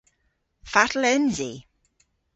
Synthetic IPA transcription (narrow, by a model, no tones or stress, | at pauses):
fatlɛnzi